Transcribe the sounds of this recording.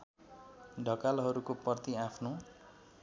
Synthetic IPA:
ɖʱʌkalɦʌɾukopʌrt̪iapʰno

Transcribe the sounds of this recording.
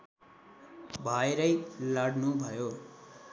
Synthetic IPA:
bʱʌjɾʌjlaɽnubʱʌjo

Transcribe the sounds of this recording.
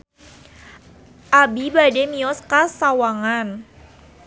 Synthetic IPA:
ʔabibademiɔskasawaŋan

